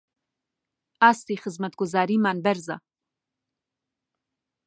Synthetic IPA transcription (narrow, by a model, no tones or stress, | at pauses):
ast̪ixɪzmɐt̪̚ɡʊzaːɾimaːnbaɾza̰